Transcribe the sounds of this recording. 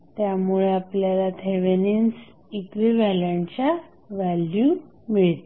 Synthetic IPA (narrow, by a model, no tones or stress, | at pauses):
t̪jamuɭeapljalat̪ʰeʋenins | ikɾiʋalaɳt͡ɕa | ʋælju | miɭt̪